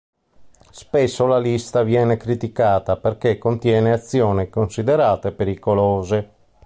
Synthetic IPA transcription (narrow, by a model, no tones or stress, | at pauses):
spesːolalist̪avjɛːnekɾit̪ikaːt̪aperk̟ekːont̪jɛːneat̪sːjɔːnekonsid̪eɾaːt̪epeɾikoloːze